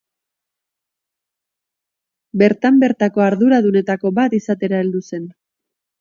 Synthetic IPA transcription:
be̞ɾt̪ambe̞ɾt̪ako̞aɾðuɾaðune̞t̪ako̞βat̪isat̪e̞ɾaeld̪use̞n

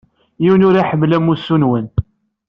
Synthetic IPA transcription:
jiwnʊɾaħəmːlæmːusːunwən

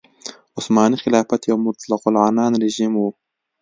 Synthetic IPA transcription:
ʊsmɑːnixɪlɑːfat̪jɐwmʊɾt̪alɑqʊlʕanɑːnɾɪʒimwu

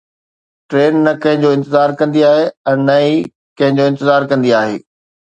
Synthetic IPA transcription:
ʈɾeːnːɐkɐ̃ɦɪ̃ɲd͡ʑoːɪ̃nt̪ɪzaːɾkɐ̃nd̪iaːɦeɛ̃ːnɐi | kɐ̃ɦɪ̃ɲd͡ʑoːɪ̃nt̪ɪzaːɾkɐ̃nd̪iaːɦḛː

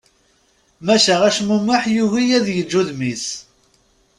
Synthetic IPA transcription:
mæʃæʁæʃmumːaħjuʝijæðjəd͡ʒːuðmis

